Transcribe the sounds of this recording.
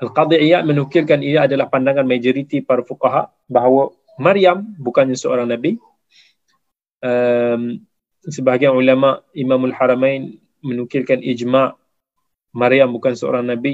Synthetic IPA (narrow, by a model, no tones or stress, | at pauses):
ʔalqɑd̪ˤiʕijat̪̚mənukɪlkaniaːdalahpandaŋanmad͡ʒoɾit̪ipaɾafuqaɦaʔ | baɦawə | maɾjambukanɲasəo̰ɾaŋnabi | ʔəm | səbaɦaɡianʕulamaʔimamalħaɾamajn | mənukɪlkanid͡ʒmaʔ | maɾijambukansəo̰ɾaŋnabi